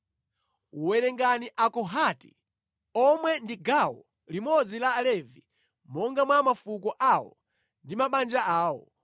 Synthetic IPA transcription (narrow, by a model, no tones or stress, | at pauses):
uwɛɾɛŋɡaniʔakɔɦati̥̰ | ɔmwɛndiɡawɔ̰ | limɔd͡zilaːlɛvi | mɔŋɡamwamafukɔʔawɔ̰ | ndimaɓand͡ʒaaːwɔ̰